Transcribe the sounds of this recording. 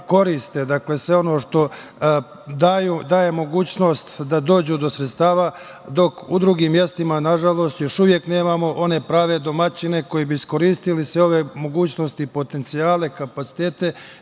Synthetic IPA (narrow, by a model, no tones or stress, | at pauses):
ko̞ɾist̪ed̪akle̞sʋe̞o̞no̞ːʃt̪o̞ | d̪aːjud̪aːje̞mo̞ɡuːt͡ɕno̞st̪d̪ad̪o̞ːd͡ʑud̪o̞sɾet̪st̪aːʋa | d̪o̞kud̪ɾuɡiːmːje̞st̪imanaʒalo̞ːst̪jo̞ʃuʋje̞kne̞ːmamo̞ʔo̞ne̞pɾaːʋe̞d̪o̞mat͡ɕine̞ko̞jibiisko̞ɾiːst̪ilisʋeo̞ʋe̞mo̞ɡuːt͡ɕno̞st̪ipo̞t̪e̞nt̪sijaːle̞kapat̪si̥t̪e̞ːt̪e̞